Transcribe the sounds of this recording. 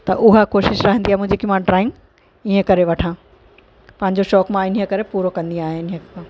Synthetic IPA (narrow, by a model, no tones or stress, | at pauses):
t̪ɐʔʊɦakoːʃɪʃɾɐɦə̃nd̪iaːmʊ̃ɦɲd͡ʑekimãɖɾaːɪ̃ŋ | iɦə̃kɐɾeʋɐʈʰãː | pɐ̃ɦɪ̃ɲd͡ʑoʃɔːkmãɪnə̆kɐɾepuːɾokɐ̃nd̪ĩaːɦɪɪnəãː